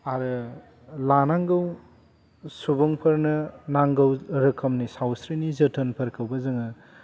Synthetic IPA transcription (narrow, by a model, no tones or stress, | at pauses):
aɾɯ | lanaŋɡɐw | subɐŋpʰɐɾnɐnaŋɡɐwɾɐkʰɐmnisawsɾinizɐtʰɐnpʰɐɾkʰɐwbɐzɐŋɐ